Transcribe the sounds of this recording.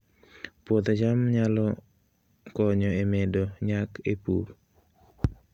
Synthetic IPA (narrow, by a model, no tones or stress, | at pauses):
pwot̪d͡ʒamɲalɔ | kɔɲɔemedoɲakʰepṵɾ